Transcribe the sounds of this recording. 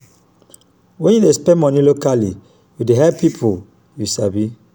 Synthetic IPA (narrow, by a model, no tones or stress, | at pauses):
wɛ̃njudespɛ̃mɔnilokali | judeɦɛpipʰo | jusabi